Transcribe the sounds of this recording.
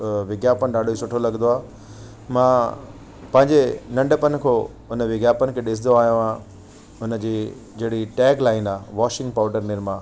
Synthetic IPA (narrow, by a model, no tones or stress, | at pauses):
ʋɪɡjaːpənɪ̆ɗaːɖʱoisʊʈʰolɐɡənd̪oaː | mãː | pɐ̃ɦɪ̃ɲd͡ʑenɐ̃ɳɖəpən̆kʰoː | ʊnəʋɪɡjaːpənɪ̆kʰeːɗɪs̬ʰɪd̪oaːɦijõã | ʊnə̆d͡ʑiː | d͡ʑɐɦɽiʈɛːklaːɪnaːʋaːʃɪ̃ŋɡ̚paːʊɖəɾnɪɾmãː